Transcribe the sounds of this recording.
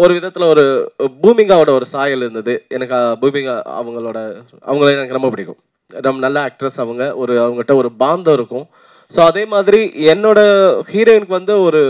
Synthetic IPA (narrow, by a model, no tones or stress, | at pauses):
ɔɾɯʋɪðɐt̪ːɪlɐɔɾɯbuːmɪŋɡaːʋɐɽɐɔɾɯsaːjɐlɪɾɯnd̪ɐðɯɛnɐkːabuːmɪŋɡɐ̰ʋɐŋɡɐɭoːɽɐ | ɐ̰ʋɐŋɡɐɭenɛnɐkːnɐmːɐpɐɽɪkːʊ̰̃ | nɐmːɐnɐlːɐːk̚ʈɾɐsɐʋɐŋɡɐʔɔɾɯɐʋɐŋɡɐʈːɐ̃ɔɾɯbaːnd̪õːɪɾɯkːʊ̃ | soːɐðeːmaːðɪɾiɛnːoːɽɐhiːɾɐɪnkːɯʋɐnd̪ɯɔɾɯ